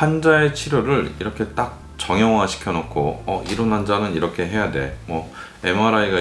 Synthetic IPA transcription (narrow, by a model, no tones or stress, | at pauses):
hand͡ʑae̞t͡ɕʰiɾjoɾɯɭiɾʌkʰe̞t͈ak̚ | t͡ɕʌŋjʌŋwaɕʰi̥kʰjʌnok̚kʰoʌ̰iɾonɦand͡ʑanɯniɾʌkʰe̞ɦe̞jade̞̰mwʌ | emaɾaiɡa